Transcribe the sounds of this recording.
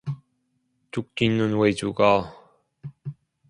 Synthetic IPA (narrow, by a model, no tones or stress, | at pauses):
t͡ɕuk̚k͈inɯnwed͡ʑuɡa